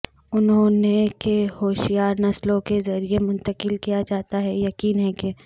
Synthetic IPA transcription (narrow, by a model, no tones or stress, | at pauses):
ʊnɦõnekehoːʃijaːɾnɐslõkezɐɾiemʊ̃nt̪əqɪlkijad͡ʒaːt̪aɦɛjɐkiːnɦɛke